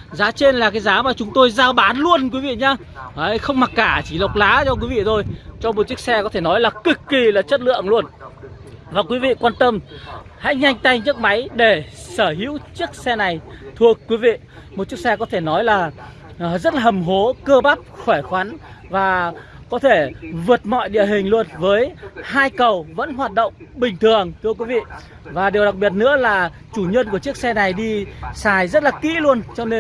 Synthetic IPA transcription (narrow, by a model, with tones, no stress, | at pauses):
zaː˨˦t͡ɕe˧nlaː˨˩kaː˨˦jzaː˨˦maː˨˩t͡ɕʊ˨˦ŋ͡mt̪o˧jzaː˧ɓaː˨˦nlu˧ənkwi˨˦vḭ˧˨ɲaː˧ | ʔə˨˧˦jxə˧wŋ͡mma˨˩t̚kaː˧˩t͡ɕi˧˩lə˨˩wk͡p̚laː˨˦t͡ɕɔ˧k̬wi˨˦vḭ˧˨t̪ʰo˧jt͡ɕɔ˧mo˨˩t̚t͡ɕi˦˥ək̚sɛ˧kɔ˨˦t̪ʰe˧˩nɔ˨˦jlaː˨˩kɨ˨˩kːi˨˩laː˨˩t͡ɕə˦˥t̚lɨ̰˧˨əŋlu˧ən | vaː˨˩kwi˨˦vḭ˧˨kwaː˧nt̪ə˧m | ha̰˧˥jɲa˧jŋ̟t̪a˧jɲə˦˥k̚ma˨˦jɗe˧˩səː˧˩ɦḭ˧˥wt͡ɕɨ˦˥ək̚sɛ˧na˨˩jt̪ʰu˨˩əkːwi˨˦vḭ˧˨mo˨˩t̚t͡ɕi˦˥ək̚sɛ˧kɔ˨˦t̪ʰe˧˩nɔ˨˦jlaː˨˩ | zə˦˥t̚laː˨˩hə˨˩mɦo˨˦kəː˧ɓa˦˥p̚xwɛ˧˩jxwa˨˦nvaː˨˩ | kɔ˨˦t̪ʰe˧˩vɨ˨˩ət̚mɔ̰˧˨jɗḭ˧˨əɦï˨˩ŋ̟lu˧ənvəː˨˦jhaː˧jkə˨˩wvə̰˧˥nɦwaː˨˩t̚ɗo̰˧˨wŋ͡mɓï˨˩ŋ̟t̪ʰɨ˨˩əŋt̪ʰɨ˧əkwi˨˦vḭ˧˨ | vaː˨˩ɗe˨˩wɗa˨˩k̚ɓi˨˩ət̚nɨ̰˧˥əlaː˨˩ | t͡ɕu˧˩ɲə˧nku˧˩ət͡ɕɨ˦˥ək̚sɛ˧na˨˩jɗi˧saː˨˩jzə˦˥t̚laː˨˩kḭ˧˥lu˧ənt͡ɕɔ˧ne˧